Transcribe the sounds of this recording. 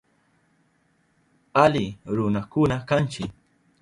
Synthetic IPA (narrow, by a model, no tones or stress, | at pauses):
alɪɾʊnakʊnakant͡ʃɪk